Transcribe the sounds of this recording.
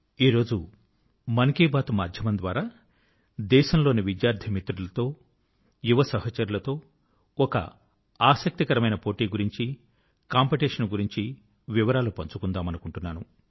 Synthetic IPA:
iːɾo̞ːd͡ʒu | mɐnkiːbaːt̪umaːd̪ʱjɐmɐnd̪ʋaːɾaː | d̪ɛːʃɐmlo̞ːniʋid̪jaːɾd̪ʰʱimit̪ɾulɐt̪o̞ː | juʋɐsɐɦɐt͡ʃɐɾulɐt̪o̞ː | ɔkɐ̰ | aːsɐk̚t̪ikɐɾɐmɐjnɐpo̞ːʈiːɡuɾiɲt͡ʃi | kaːmpiʈeːʂɐnɡuɾiɲt͡ʃi | ʋiʋɐɾaːlupɐɲt͡ʃukund̪aːmɐnukuɳʈunːaːnu

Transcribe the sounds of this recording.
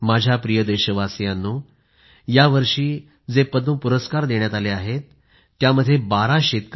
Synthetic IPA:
mad͡ʑʱjapɾijəd̪eɕəʋasjanːuː | jaʋəɾʂiː | d͡zepəd̪ũpuɾəskaɾd̪eɳjat̪aleaɦet̪ː | jaməd̪ʱːjebaɾaɕet̪k

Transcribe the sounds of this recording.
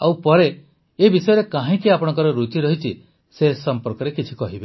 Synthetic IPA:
awpɔɾeː | bisɔjɔɾekãɦĩkiapɔɽ̃ɔŋkɔɾɔɾut͡ʃiɾɔɦit͡ʃʰi | sesɔmpɔɾkɔɾekit͡ʃʰi̥kɔɦibe

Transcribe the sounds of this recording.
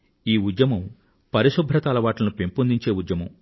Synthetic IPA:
iːud̪jɐmɐm | pɐɾiʃubʱɾɐt̪aːlɐʋaːʈlɐnupempund̪iɲt͡ʃeːud̪jɐmɐ̰m

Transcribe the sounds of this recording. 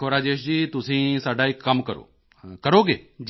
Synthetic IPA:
oːɾaːd͡ʒeːʃd͡ʑiːt̪ʊsĩsaːɖʱaːikːɐmkəɾo̰ː | kəɾoːɡḛːd͡ʒ

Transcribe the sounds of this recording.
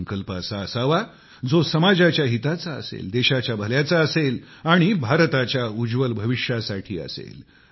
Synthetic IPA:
ŋkəlpasaəsaʋa | d͡zosəmad͡ʑat͡ɕjaɦit̪at͡saə̰sḛld̪eɕat͡ɕjabʱəljat͡saəsel | aɽ̃ibʱaɾt̪at͡ɕjaud͡ʑʋəlbʱəʋiʂjasaʈʰiːə̰sḛl

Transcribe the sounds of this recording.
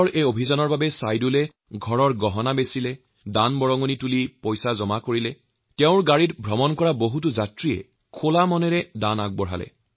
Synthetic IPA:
ɔɹejobʱizanɔɹbabɛsajdulɛ | ɡʱɔɹɔɹɡɔɦɔnabesilɛ | danbɔɹɔŋonitulipojsazɔmakoɹilɛ | tɛʊ̃ɹɡaɹitbʱɹɔmɔnkɔɹaboɦut̬uzatɹijɛ̰ | kʰolamɔnɛɹɛdana̰ɡ̚bɔɹ̤ɦa̰lɛ̰

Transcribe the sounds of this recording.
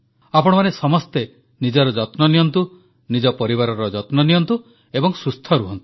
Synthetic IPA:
apɔɽ̃ɔmanesɔmɔst̪e | nid͡ʒɔɾɔd͡ʒɔt̪nɔnijɔnt̪u | nid͡ʒɔpɔɾibaɾɔɾɔd͡ʒɔt̪nɔnijɔnt̪u | ebɔŋsust̪ʰɔɾuɦɔnt̪u̥

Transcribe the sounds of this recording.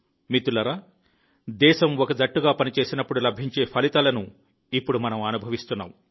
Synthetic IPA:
mit̪ulɐɾaː | d̪ɛːʃɐmɔkɐd̪ɐʈːuɡaːpɐnit͡ʃe̞ːsinɐpːuɽulɐbʱiɲt͡ʃe̞ːpʰɐlit̪ɐlɐnu | ipːuɽumɐnɐmɐnubʱɐʋist̪unːa̰ːm

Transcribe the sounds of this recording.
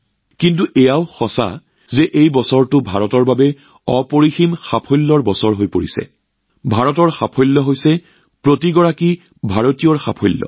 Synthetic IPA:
kintuʔɛjaʊxɔsa̰ | zɛʔejbɔsɔɹtʊbʱa̰ɹɔtɔɹbabɛ | ɔpoɹiximxapʰɔjlːɔɹbɔsɔɹɦojpoɹḭsɛ̰ | bʱaɹɔtɔɹxapʰɔjlːɔɦojsɛ | pɹotiɡɔɹaki | bʱaɹotijɔɹxa̰pʰɔjlːɔ̰

